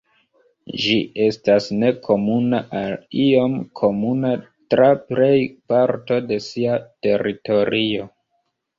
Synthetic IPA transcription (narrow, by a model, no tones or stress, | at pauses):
ʒiʔe̞stasne̞kʰo̞munaʔalio̞mkʰo̞muna | tɾaple̞jpaɾto̞de̞siate̞ɾito̞ɾio̞